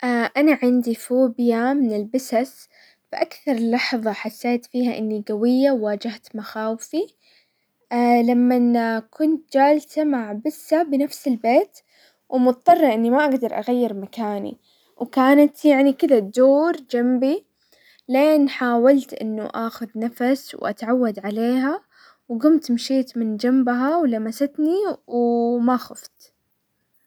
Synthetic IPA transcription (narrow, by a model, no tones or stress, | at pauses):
ʔaʔanaʕɪnd̪ifuːbjamɪnɪlbɪsas | b̥ɪʔakθɑɾˤɪlːɑħðˤɑħasːeːt̪fiːhaʔɪnːiɡawɪjːawːaːd͡ʒaht̪maxaːwfi | lamːankʊnt̪̚d͡ʒaːlsamaʕbɪsːabɪnafsɪlbeːt̪ | wmʊt̪t̪ˤːɑrˤːɑʔɪnːimaʔaɡd̪ɑɾˤʔa̰ɣajːɪɾmakaːnḭ | wkaːnat̪jaʕnikɪd̪ad̪oːɾd͡ʒambi | leːnħaːwalt̪ʔɪ̰nːṵʔaːxʊðnafaswʔa̰t̪ʕawːad̪ʕaleːɦa | wɡʊmt̪mʃiːt̪mɪnd͡ʒambɦawlamasat̪niwmaxʊft̪